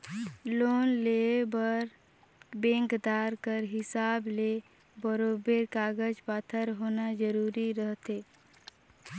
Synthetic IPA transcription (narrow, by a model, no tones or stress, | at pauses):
lonlebəɾ | bẽŋkd̪aɾkəɾɦɪsaːble | bəɾobeɾkaɡəd͡ʒpaːt̪ʰəɾɦoːnad͡ʒəɾuɾiɾəɦt̪e